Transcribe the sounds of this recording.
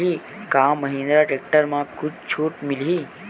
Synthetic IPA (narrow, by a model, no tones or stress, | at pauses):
i | kãmːəɦĩnd̪ɾaʈek̚ʈəɾmãkʊt͡ʃt͡ʃʰuːʈmili